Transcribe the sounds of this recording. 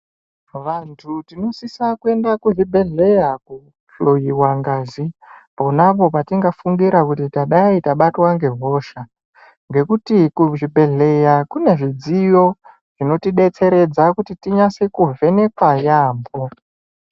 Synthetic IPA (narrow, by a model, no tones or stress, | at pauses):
ʋantʰutino̞sisakue̞ndakuʐibʱe̞ɮe̞jaku | ɬojiwaŋɡaːzipo̞napo̞patiŋɡafuŋɡiɾakutitaɗaitaɓatwaŋɡe̞ɦo̞ʃa | ŋɡe̞kutikuʐibʱe̞ɮe̞jakune̞ʐid͡zijo̞ | ʐ̥ino̞tiɗe̞t͡se̞ɾe̞d͡zakutitiɲasekuvʱe̞ne̞kwajaːmbo̞